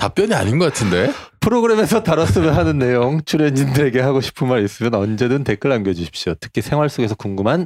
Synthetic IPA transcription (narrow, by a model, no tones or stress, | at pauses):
tap͈jʌɲia̰ɲinɡʌk͈atʰɯnde̞pʰɯɾoɡɯɾe̞me̞sʰʌtaɾʌs͈ɯmjʌnɦanɯnːe̞joŋt͡ɕʰuɾeɲindɯɾe̞ɡe̞ɦaɡoɕʰi̥pʰɯnmaɾis͈ɯmjʌnʌnd͡ʑe̞dɯnte̞k͈ɯɭamɡjʌd͡ʑuɕʰi̥p̚ɕ͈iotʰɯ̥kʰisʰe̞ŋwaɭs͈oɡe̞s̬ʰʌkuŋɡɯmɦan